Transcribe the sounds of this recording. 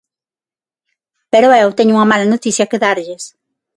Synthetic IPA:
peɾoewt̪eɲʊuŋɐmalɐnot̪isjɐkeðaɾʎɪs

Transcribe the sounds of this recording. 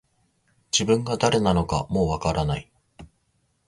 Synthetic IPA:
d͡ʑibɯ̟̃ŋɡad̪aɾe̞nano̞kamo̞ːβakaɾanai

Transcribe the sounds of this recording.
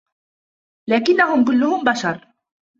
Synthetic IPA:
laːkɪnːaɦʊmk̬ʊlːʊhʊmbaʃɑɾˤ

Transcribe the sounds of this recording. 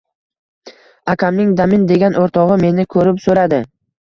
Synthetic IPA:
akʲʰamnɪŋd̪amɪnd̪e̞ɡʲanʔoɾt̪ʰɒʁɨme̞nɪkʰɵɾɪpsɵɾad̪ɪ

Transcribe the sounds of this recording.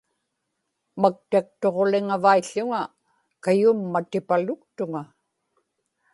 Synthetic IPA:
mak̚t̪ak̚t̪o̞ʁo̞lɪŋavaiʎːʊŋa | kajʊmːat̪ɪpalʊk̚t̪ʊŋa

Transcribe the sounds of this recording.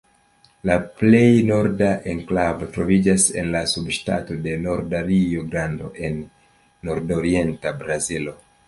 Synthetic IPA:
laple̞jno̞ɾdaʔeŋklavo̞tɾo̞vid͡ʒase̞nlasubʃta̰to̞de̞no̞ɾdaɾioɡɾando̞̰ʔe̞nː | o̞ɾdo̞ɾie̞ntabɾazilo̞

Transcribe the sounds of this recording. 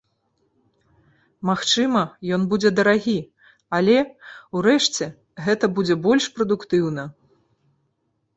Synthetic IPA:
maxt͡ʂɨmɐjɔnbud͡zʲɛd̪ɐɾaɣʲi | alʲɛuɾɛʂt͡sʲɛ | ɣɛt̪ɐbud͡zʲɛbɔlʲʂpɾɐd̪ukt̪ɨwn̪ɐ

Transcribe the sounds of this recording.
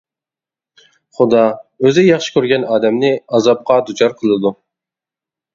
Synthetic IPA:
χʊd̪ɑøzɪjɑχʃɨ̥kʲøɾɡʲɛnɑːd̪ɛmnɪɑzɑp̚qɑd̪ut͡ʃʰɑɾqʰəlˠɨd̪u

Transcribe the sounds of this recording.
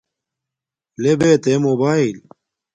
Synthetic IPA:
lebet̪emobaːil

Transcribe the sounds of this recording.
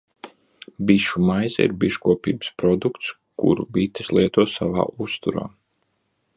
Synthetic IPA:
biʃumajzaḭɾbiʃkuɔpḭːbspɾɔd̪ukt̪s | kṵɾubit̪ə̥slˠiɛt̪uɔsa̰va̰ːʔust̪uɾa̰ː

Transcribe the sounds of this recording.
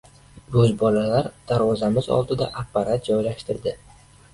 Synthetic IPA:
ɡɵzbɒlalaɾd̪̥aɾwɒzamɪzɒ̰lˠd̪ɪd̪a̰ʔapːaɾat̪̚d͡ʒɒjlaʃt̪ɪɾd̪ɪ

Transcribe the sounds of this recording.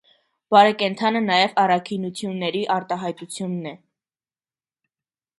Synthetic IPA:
b̥ɑɾɛkɛnt̪ʰɑnənɑjɛvɑrɑkʰinut͡sʰjunːɛɾiʔɑɾt̪ɑɦɑjt̪ut͡sʰjunːɛ

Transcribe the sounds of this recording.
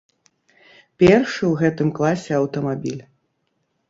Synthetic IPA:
pʲɛrʂɨwɣɛt̪ɨmklˠasʲɛɐwt̪ɐmabʲilʲ

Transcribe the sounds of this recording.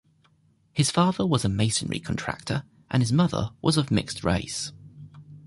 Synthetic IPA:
hɪz̥fɑːðəwɒzəmeɪsə̃nɹḭkʰə̃ntʰɹ̥a̰k̚tʰəɹ | ʔə̰̃nɪzmʌðə̰wʔɒzəvmɪ̰kstʰɹḛɪs

